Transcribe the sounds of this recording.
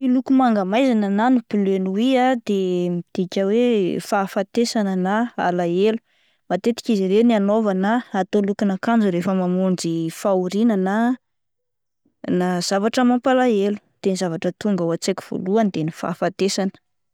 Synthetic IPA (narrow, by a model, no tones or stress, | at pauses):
ilukumaŋɡamajzanənanipiløniwiad̪emid̪̥ikʲəwefafat̪esanənaa̰laelu̥ | mat̪et̪i̥kʲiziɾenianovanaːt̪olukinakand͡zuɾefəmamuɳd͡ʒifauɾinana | naz̥avaʈ͡ʂəmampalaelu̥t̪enizavaʈ͡ʂət̪uŋɡawat͡sekʲi̥v̥o̰luand̪enifa̰fat̪esanə̥